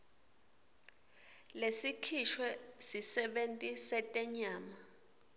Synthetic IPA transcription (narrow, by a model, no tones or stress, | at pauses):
lesikʰiʃwɛsisɛɓentʼisɛtʼɛɲaːma